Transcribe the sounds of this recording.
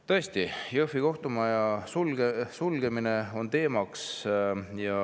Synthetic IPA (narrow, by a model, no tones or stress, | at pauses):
t̪ɤ̞esʲt̪ijɤfiko̞ht̪umɑjɑsulɡesulɡ̥e̞mine̞o̞nt̪e̞ːmɑks | jɑ